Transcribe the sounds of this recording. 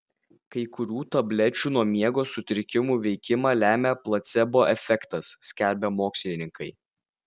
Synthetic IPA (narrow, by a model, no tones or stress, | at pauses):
kɐɪkʊɾʲuːt̪ɐbʲlʲɛt͡ʃʲuːnuɔmʲiɛɡoːsʊt̪ʲɪɾʲɪkʲɪmuːʋʲɛɪkʲɪmɑːlʲæːmʲɛplˠɐt̪sʲɛboːʔɛfʲɛkt̪ɐsːʲkʲælʲbʲɛmoːksʲlʲɪnʲɪŋkʰɐɪ